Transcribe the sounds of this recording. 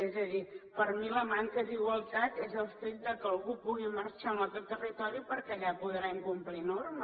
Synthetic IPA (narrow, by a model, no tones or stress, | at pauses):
ezəðipəɾmiləmaŋkəðiɣwəlˠt̪at̪ezəlˠfit̪̚d̪əkəəlˠɣupuɣiməɾt͡ʃaməkɛt̪ːərit̪ɔɾipəɾkɛʎapuðɾaiŋkumplinoɾmə